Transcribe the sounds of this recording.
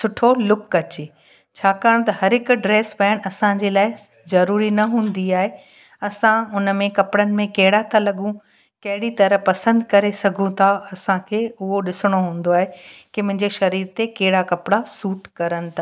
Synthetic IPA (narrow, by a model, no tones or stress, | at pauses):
sʊʈʰolʊkːɐt͡ɕeː | t͡ɕʰaːkaːɽ̃t̪ɐhɐɾɪkʊɖɾeːsbɛ̃ːɽ̃̆ɐsãd͡ʑelaːɪ | zɐɾuːɾinɐɦũːn̆d̪iaːɦe | ɐsãʊnəmẽkɐpɽənɪ̆mẽkɐɦɪɽat̪ʰalɐɠũ | kɐɦɪɽit̪ɐɾəpɐsə̃nd̪kɐɾesɐɡʱũt̪ʰaɐsãkʰeːʊɦoɗɪsɪɽ̃oɦũːn̆d̪oaːɦekɪmʊ̃ɦɪ̃ɲd͡ʑeʃɐɾiːɾt̪ekɐɦɪɽakɐpɪɽasuːʈkɐɾəñɪ̆t̪ʰaː